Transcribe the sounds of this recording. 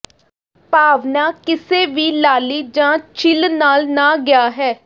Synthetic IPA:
paːʋnaːkɪseːʋiːlaːliːd͡ʒãːt͡ʃʰɪlnaːlnaːɡɪjaːɦɛː

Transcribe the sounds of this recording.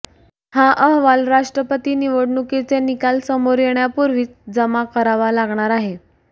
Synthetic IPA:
haʔəɦʋalɾaʂʈɾəpət̪iːniʋəɽɳuket͡senikalsəmoɾjɳjapuɾʋiːt͡sd͡zəmakəɾaʋalaɡɳ̃aɾaɦe

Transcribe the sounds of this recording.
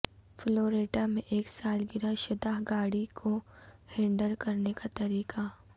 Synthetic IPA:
floːɾeːʈamẽʔeːksaːlɡɪɾaʃɪd̪aːɦɡaːɽikʰohẽːɳɖəɾkɐɾnekat̪ɐɾiːqa

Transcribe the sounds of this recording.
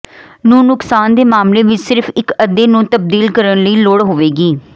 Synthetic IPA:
nũːnʊksaːnd̪eːmaːmleːʋɪt͡ʃsɪɾpʰɪkəd̪eːnũːt̪əb̚d̪iːlkəɾənləiːloːɽɦoːʋeːɡiː

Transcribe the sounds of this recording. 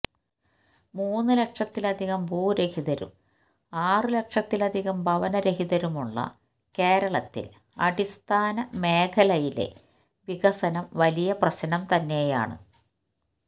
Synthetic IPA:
muːnːɨlekʂɐt̪ːilɐd̪ʱiɣɐmbuːɾe̞hiðɐɾṵm | aːrɨlekʂɐt̪ːilɐd̪ʱiɣɐmbʱɐʋɐnɐɾeɦiðɐɾumuɭːɐ̰ | ke̞ːɾɐɭɐt̪ːḭl | ɐ̰ɖist̪ʰaːnɐme̞ːkʰɐlɐjile̞̰ | ʋiɣɐsɐnɐmʋɐlijɐprɐɕɐnɐmt̪ɐnːe̞ja̰ːɳɨ̰

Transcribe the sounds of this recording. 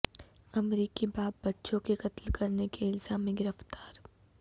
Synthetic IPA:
ɐmɾiːkibaːp̚ːɐtːʃõkeqɐt̪lkɐɾnekeɪlzaːmẽɡɪɾəft̪aːɾ

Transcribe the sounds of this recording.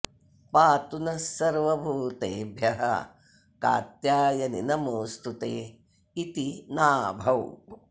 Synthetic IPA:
paːt̪unɐsɐɾʋɐbʱuːt̪ḛːbʱjɐɦɐ̰ | ka̰ːt̪jaːjɐnḭnɐmoːst̪ut̪eː | it̪inaːbʱɐw

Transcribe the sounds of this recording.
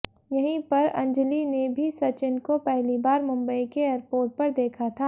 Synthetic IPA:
jɐɦĩpɐɾɐ̰̃ɲd͡ʒlinebʱisɐt͡ʃɪnkopɛɦlibaːɾmʊ̃mbəikeeːɾpoːɾʈ̚pɐɾd̪eːkʰat̪ʰaː

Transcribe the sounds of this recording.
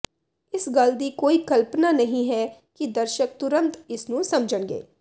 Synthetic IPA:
ɪsɡəld̪iːkoːiːkəlpnaːnəɦĩːɦɛːkid̪əɾʃək̚t̪ʊɾə̃nt̪ɪsnũːsəmd͡ʒəɳɡḛː

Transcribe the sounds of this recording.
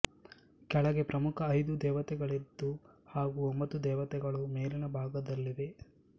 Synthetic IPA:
kɛɭɐɡe̞pɾɐmukʰɐːjd̪ud̪ɛːʋɐt̪ɛɡɐɭid̪ːu | haːɡuombɐt̪ːud̪ɛːʋɐt̪ɛɡɐɭumeːlinɐbʱaːɡɐd̪ɐlːiʋe̞

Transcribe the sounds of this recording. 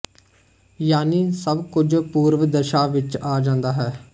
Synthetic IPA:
jaːniːsəbkʊd͡ʒpuːɾʋəd̪əʃaːʋɪt͡ʃaːd͡ʒãːnd̪aːɦɛː

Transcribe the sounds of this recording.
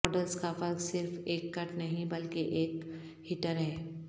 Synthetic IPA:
ɔːɖəlskafɐɾksɪɾfeːkːɐʈnɐɦĩbɐlkeʔeːk | hɪʈəɾɦɛː

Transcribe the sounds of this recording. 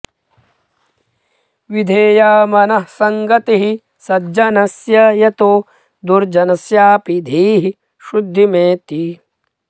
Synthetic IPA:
ʋid̪ʱeːjaːmɐnɐhsɐŋɡɐt̪iɦi | sɐd͡ʒɐnɐsjɐjɐt̪oː | d̪uɾd͡ʒɐnɐsjaːpid̪ʱiːɦi | ʃud̪ʱːimeːt̪i

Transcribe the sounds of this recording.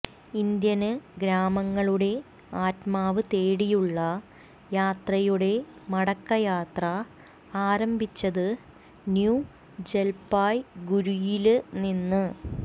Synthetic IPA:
ind̪jɐnɨɡɾaːmɐŋːɐɭuɽe̞ | aːtmaːʋɨt̪e̞ːɽijuɭːɐ | jaːt̪rɐjuɽe̞mɐɽɐkːɐjaːt̪rɐ | aːɾɐmbʱit͡ɕːɐðɨ | nju | d͡ʑe̞lpaːjɡuɾujilɨninːɨ

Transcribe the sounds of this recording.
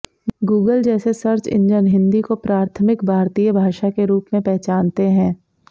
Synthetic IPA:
ɡuːɡəld͡ʒɛːsesɐɾt͡ʃɪ̰̃ɲd͡ʒənɦɪ̃nd̪ikopɾaːɾt̪ʰəmɪkbʱaːɾt̪iːjəbʱaːʃakeɾuːpmẽpɛɦt͡ʃaːnt̪eɦɛ̃ː

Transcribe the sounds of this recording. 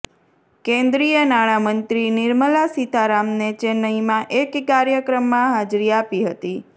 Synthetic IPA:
kẽnd̪ɾijənaɽ̃amənt̪ɾinɪɾməlasit̪aɾamnet͡ʃenəimãʔekːaɾjəkɾəmːãɦad͡ʒɾiapiɦət̪i

